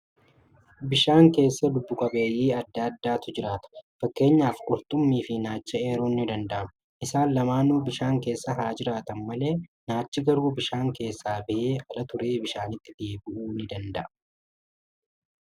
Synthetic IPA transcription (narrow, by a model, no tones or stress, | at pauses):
bɪʃaːŋke̞ːsːɐd̪ʊbːʊkʼɐbe̞ːjiːɐd̪ːad̪ːaːt̪ʊd͡ʒɪɾaːt̪ɐ̥fɐkːe̞ːɲːaːfkʼʊɾt̪ʼʊmːiːfɪnaːt͡ʃːɐe̞ːɾuːnːɪd̪ɐnd̪ɐʔɐm | ʔɪsaːnlɐmaːnuːbɪʃaːŋke̞ːsːɐɦaːd͡ʒɪɾaːt̪ɐnmɐle̞ːnaːt͡ʃːɪɡɐɾuːbɪʃaːŋke̞ːsːaːbɪʔeːʔɐlɐt̪ʊɾe̞ːbɪʃaːnɪt̪ːɪd̪e̞ːbɪʔuːnɪd̪ɐnd̪ɐʔɐ